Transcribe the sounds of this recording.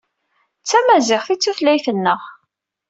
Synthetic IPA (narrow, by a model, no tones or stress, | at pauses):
t͡sːæmæzɪʁθit͡sːuθlæjθənːəʁ